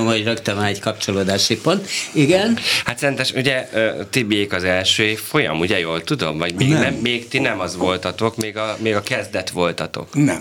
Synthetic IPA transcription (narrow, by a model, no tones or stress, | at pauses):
mhoɟrøkt̪ønɒnɛɟkɒpt͡ʃoloːd̪aːʃipont̪iɡɛnhat̪sɛɛnt̪ɛʃuɟɛøt̪ibieːkɒzɛlʃøːfo̞jɒ̰muɟɛjoːlt̪ud̪o̞mvɒɟmeːɡnɛmːeːɡt̪inɛmɒzʋo̞lt̪ɒt̪o̞kmeːɡɒmeːɡɒkɛzd̪ɛt̪ʋo̞lt̪ɒt̪o̞̰knɛ̰